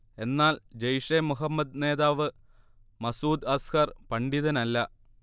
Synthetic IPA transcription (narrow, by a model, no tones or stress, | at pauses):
e̞nːaːld͡ʑejʂeːmuɦɐmːɐd̪̚ne̞ːðaːʋɨ | mɐsuːd̪ɐskɐrpɐɳɖiðɐnɐlːɐ